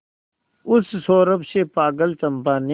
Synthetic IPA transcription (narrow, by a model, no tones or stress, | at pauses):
ʊssoːɾəbseːpaːɡəlt͡ʃɐmpaːne